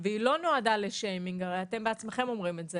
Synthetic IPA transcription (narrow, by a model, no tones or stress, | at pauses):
veilono̞adaleʃejmiŋɡaʁejate̞mbeat͡sme̞χe̞mo̞mʁimetze